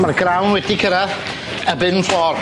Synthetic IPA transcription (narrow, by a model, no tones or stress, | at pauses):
marɡrawnwɛdikʰəɾað | əbɨnfɔr